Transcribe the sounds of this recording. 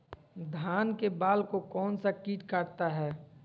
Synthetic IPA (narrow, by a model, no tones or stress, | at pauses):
d̪ʱaːnkebaːlkokɔːnsakiːʈkəɾt̪aɦɛː